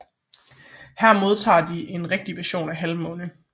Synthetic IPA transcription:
hæɐmo̝ð̞ˠt͡sʰɑ̰̈ːd̥iʔe̝nʁɛɡ̥̚d̥iʋæɐɕo̝̰ːnæɦælmɔ̽ːnə

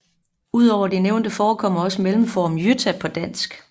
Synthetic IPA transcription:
uð̞̰ˠɒʊ̰ɐd̥eneʊnd̥əfɒːkʰɒ̽mɐɒ̽səmelm̩fɒːmjøt͡sʰæpʰɒ̽d̥æn̰sɡ̥

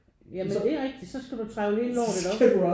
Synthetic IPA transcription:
jæmed̥e̝æʁɛɡ̥̚d̥id̥sɒ̽sɡ̥æd̥ut͡sʰʁɑ̈ɪʊliːləlɒ̰ːd̥ed̥ɒ̥̽u

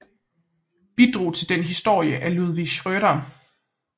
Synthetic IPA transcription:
b̥id̥ʁo̝̰ːt͡sʰe̝ld̥enɦisd̥o̝ɐ̰jəʔæluð̞ˠʋiɡ̥ɕʁœɾɐ

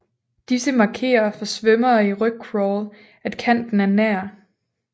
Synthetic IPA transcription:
d̥isəmɑ̈ːkʰe̝̰ːɐfɒ̽sʋœmɐːiʁœɡ̥̚kʰʁɒl | æd̥kʰæn̰d̥n̩æɐnæɐ̰

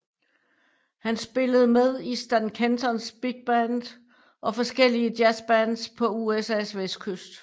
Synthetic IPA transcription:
hænsb̥e̝ləð̞̩ˠmeð̞ˠisd̥ænkʰent͡sʰɒnsb̥iɡ̥̚b̥ænd̥ | ʔɒ̽fɒ̽sɡ̥el̰iəd̥jæsb̥ænspʰɒ̽uesɛsʋesd̥̚kʰøsd̥

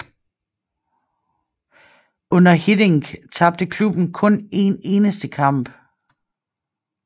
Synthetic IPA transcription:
ʔɔ̽n̰ɐhid̥eŋt͡sʰɑ̈b̥̚d̥əkʰlub̥n̩kʰɔ̽ne̝ːne̝ːnəsd̥əkʰɑ̈m̰b̥

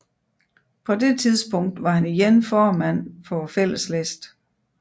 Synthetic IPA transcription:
pʰɒ̽d̥e̝t͡sʰiðˠsb̥ʰɔ̽ŋ̰d̥ʋɑ̈hæniɡenfɒːmæn̰fɒ̽fel̰əslesd̥

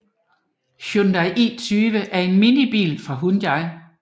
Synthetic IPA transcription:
ɕønd̥æɪʔḭːt͡sʰyːʋəʔæɐe̝nminib̥ḭːlfʁɑ̈ɦunjɑɪ

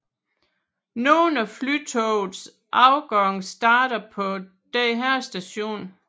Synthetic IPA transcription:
noːnæflyt͡sʰɔʊð̩ˠs | ʔɑ̈ʊɡ̥ɒŋsd̥ɑ̈ːɾ̥ɐpʰɒ̽ | d̥ɛɦæɐsd̥æɕo̝̰ːn

